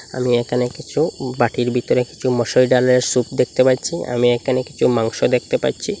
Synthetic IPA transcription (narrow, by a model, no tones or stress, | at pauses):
a̰miekʰanekit͡ɕʰubaʈʰiɾbʱit̪oɾeki̥t͡ɕʰumɔʃojɖaleɾsupd̪ek̚ʰt̪epaɾt͡ɕʰia̰miekʰaneki̥t͡ɕʰumaŋʃod̪ek̚ʰt̪epaɾt͡ɕʰi